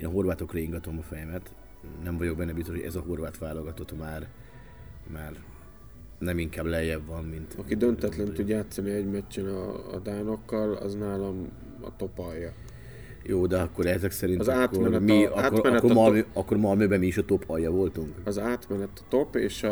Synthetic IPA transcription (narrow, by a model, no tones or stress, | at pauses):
eːnɒɦo̞rvaːt̪okrɒiŋɡɒt̪o̞mɒfɛjɛmɛt̪ | nɛɱvɒɟo̞ɡ̚bɛnːɛbist̪oʃhoɟɛ̰zɒɦo̞rvaːt̪ʋaːlo̞ɡɒt̪o̞t̪maːr | maːr | nɛmiŋkaːblɛjːɛbvːɒnmint̪ɒkid̪ønt̪ɛt̪lɛnud̪jaːt̪sɒniɛɟmɛcːɛnɒ̰ːd̪aːno̞kːɒlɒ̰znaːlɒm | ɒ̰t̪o̞pɒjːɒ | joːd̪ɛɒkːo̞ɾɛzɛksɛɾinzaːtkːoɛnɛmiɒːkːomɛkoɒøɒkːo̞ɾmɒlmøːbɛmiiʃɒt̪o̞pʰɒjːɒvo̞lt̪uŋkɒzaːt̪mɛnɛt̪ɒ̥t̪o̞pḛːʃ